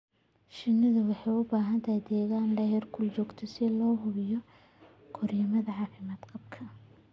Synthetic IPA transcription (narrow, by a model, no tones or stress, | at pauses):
ʃɪnːɪðɐwɑħɑjʊbaːɦɐnt̪ʰɐjd̪ɛːɣaːnɖɐjɛrkʰʊlt͡ʃɔːɡt̪ʰɛsɪlɔːɦʊβɪjɔ | kʰɔrjɐmɐðɐʕɑːfɪmaːd̪qɑb̚kʰɐ